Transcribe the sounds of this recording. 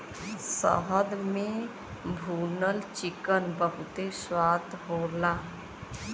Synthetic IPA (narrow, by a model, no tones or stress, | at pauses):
sə̰ɦəd̪mẽ | bʱuːnəlt͡ʃɪkənbəɦʊt̪eswaːt̪ɦoːlaː